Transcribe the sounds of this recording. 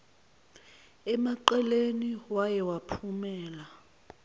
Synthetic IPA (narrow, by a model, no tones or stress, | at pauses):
ɛmaǃɛleniwajɛwapʰumɛːla